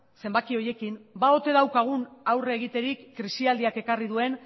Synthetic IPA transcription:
se̞mbakio̞je̞kimbao̞t̪e̞ðawkaɣ̞unawreːɣ̞it̪e̞ɾikːɾisiald̪iake̞karið̞ue̞n

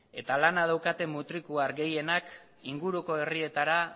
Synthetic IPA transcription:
e̞t̪alanaðawkat̪e̞mːut̪ɾikuaɾɡe̞je̞nak | iŋɡuɾuko̞e̞rie̞t̪aɾa

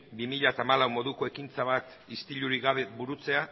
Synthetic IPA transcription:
bimiʎat̪aːmalawmo̞ðuko̞e̞kint͡saβ̞at̪ | ist̪iʎuɾiɣaβebuɾut͡se̞a

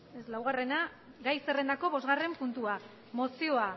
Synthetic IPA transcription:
eslawɣ̞are̞na | ɡajse̞re̞nd̪ako̞βo̞zɣare̞mpunt̪ua | mo̞sio̞a

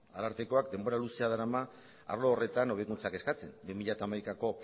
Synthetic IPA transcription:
alaɾt̪e̞ko̞akd̪e̞mbo̞ɾaluseaðaɾama | a̰ɾlo̞ːre̞t̪ano̞β̞ekunt͡sake̞skat͡se̞nbimiʎat̪aːmajkako̞

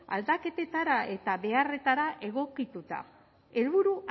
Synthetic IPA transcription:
a̰ld̪ake̞t̪e̞t̪aɾae̞t̪aβe̞are̞t̪aɾaʔe̞ɣ̞o̞kit̪ut̪a̰ | e̞lβuɾu

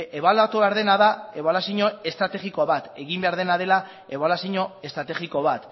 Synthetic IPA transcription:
eβalat̪uβeaɾðe̞naðae̞βalasiɲo̞e̞st̪ɾat̪e̞ɣiko̞βat̪e̞ɣimbe̞aɾð̞e̞naðe̞la | e̞βalasiɲo̞e̞st̪ɾat̪e̞ɣiko̞βat̪

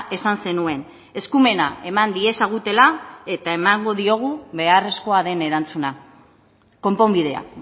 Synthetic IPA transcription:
e̞sanse̞nue̞n | e̞skume̞na̰e̞mand̪ie̞saɣ̞ut̪e̞lae̞t̪ae̞maŋɡo̞ðio̞ɣ̞uβe̞are̞sko̞aðe̞ne̞ɾant͡suna | ko̞mpo̞mbið̞e̞a̰

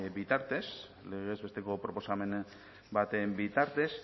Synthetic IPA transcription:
bit̪aɾt̪e̞s | leɣezβe̞st̪e̞ko̞pɾo̞po̞same̞n | bat̪embit̪aɾt̪e̞s

